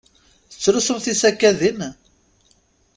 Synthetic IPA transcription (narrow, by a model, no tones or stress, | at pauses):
θə̥t͡sːɾusəmθisækːæðin